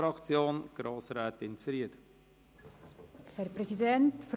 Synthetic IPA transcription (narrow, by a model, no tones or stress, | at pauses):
ɾɑkt͡sjoːnɡ̥ɾoːsɾæːt̪ɪnt͡sɾiəd̥̪ə | hɛɾpɾɛsidɛntf